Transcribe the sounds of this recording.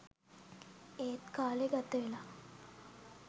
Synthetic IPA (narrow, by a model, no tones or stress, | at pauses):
eːt̪kaːleɡat̪əʋela